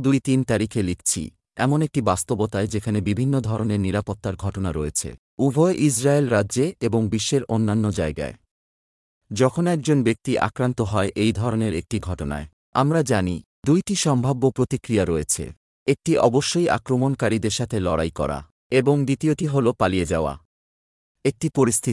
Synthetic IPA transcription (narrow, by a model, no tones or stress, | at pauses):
d̪ujt̪int̪aɾikʰelikʰt͡ɕʰḭ | ɛmonek̚ʈibast̪obot̪aed͡ʑekʰanebibʱinːod̪ʱɔɾoneɾniɾapot̪ːaɾɡʱɔʈonaɾoet͡ɕʰḛ | ubʱɔeʔisɾaelɾadd͡ʑeeboŋbiʃːeɾʔonːanːod͡ʑaeɡa̰e | d͡ʑɔkʰonɛk̚d͡ʑonbek̚t̪iʔa̰kɾant̪oɦɔeʔejd̪ʱɔɾoneɾek̚ʈiɡʱɔʈona̰e | a̰mɾad͡ʑani | d̪ujʈiʃɔmbʱabːopɾot̪ikɾijaɾɔet͡ɕʰḛ | ek̚ʈiʔɔ̰boʃːoja̰kɾomonkaɾid̪eɾʃat̪ʰelɔɾajkɔ̰ɾa̰ | eboŋd̪it̪ioʈiɦolopalied͡ʑaoa̰ | ek̚ʈipoɾist̪ʰi